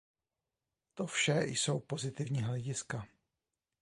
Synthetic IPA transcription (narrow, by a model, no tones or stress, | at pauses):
t̪o̞fʃɛjso̞wpo̞zɪt̪ɪvɲiːɦlɛɟɪska